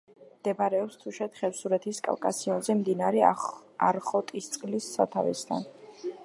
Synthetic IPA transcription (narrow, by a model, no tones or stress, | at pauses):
md̪̥ɛbaɾɛɔpst̪ʰuʃɛt̪χɛpsuɾɛt̪ʰiskʼa̰lkʼasiɔnzɛmd̪inaɾɛaɾχɔt̪ʼist̪sʼqʼlisːa̰t̪ʰa̰vɛ̰st̪ʰa̰n